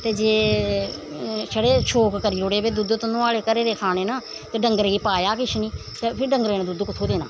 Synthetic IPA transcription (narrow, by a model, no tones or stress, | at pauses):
t̪eːd͡ʒeː | səɽeːt͡ʃʰoːkkəɾiːʊɽeːbeːd̪ʊd̪t̪ənõːaːleːkəɾeːɾeːkʰaːneːnaː | t̪eːɖəŋɡəɾiːpaːjaːkɪʃʰniːt̪eːpʰɪɾɖəŋɡəɾeːnẽd̪ʊd̪kʊt̪ʰoːd̪eːna̰ː